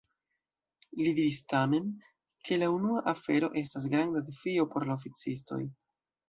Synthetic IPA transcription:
lidiɾistame̞n | kʰe̞launuaʔafe̞ɾo̞ʔe̞s̬tas̬ɡɾandadefio̞po̞ɾlaofit͡sisto̞̰j

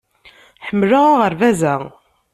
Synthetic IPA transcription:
ħəmːlaʁaʁəɾvæzæ

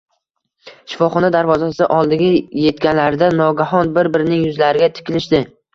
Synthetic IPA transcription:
ʃɪ̥fɒχɒnad̪aɾvɒzasɪʔɒlˠd̪ɪɡʲaje̞t̪kʲanlaɾɪd̪anɒɡʲaɦɒnbɪɾbɪɾɪnɪŋjʊzlaɾɪɡʲat̪ʰɪ̥kʲɪlɪʃd̪ɪ

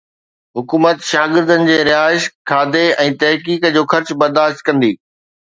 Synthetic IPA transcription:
ɦʊkuːmət̪ʃaːɡɪɾd̪ənɪ̆d͡ʑeːɾɪɦaːɪʃkʰaːd̪eɛ̃ːt̪ɐɦkiːkəd͡ʑoːxɐɾt͡ɕbɐɾd̪aːʃt̪̚kɐ̃nd̪iː

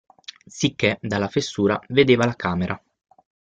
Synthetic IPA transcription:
sikːed̪alːafesːuːɾaved̪eːvalakaːmeɾʔa

